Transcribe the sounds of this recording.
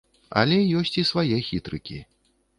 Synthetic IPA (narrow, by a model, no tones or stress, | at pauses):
ɐ̰lʲɛjɔsʲt͡sʲisvajɛxʲit̪ɾɨkʲḭ